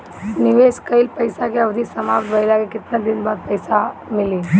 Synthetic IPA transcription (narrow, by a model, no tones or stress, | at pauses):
nɪʋeːskəɪlpəjsakeɐbd̪ʱisəmaːpt̪bʱəɪlakekɪt̪nad̪ɪnbaːd̪̚pəɪsamɪliː